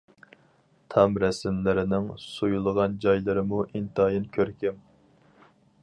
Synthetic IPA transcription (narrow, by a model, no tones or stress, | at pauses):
t̪ʰɑmɾɛsɪmlɪɾɪnɪŋsujulˠəʁɑnd͡ʒɑjlˠɨɾɨmuʔint̪ɑːjinkʲʰøɾkʲɪm